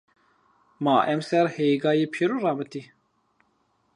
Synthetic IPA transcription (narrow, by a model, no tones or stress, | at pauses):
mɑːʔɛmsɛɾheːɡɑːjeːpʰiɾurɑːmɨt̪i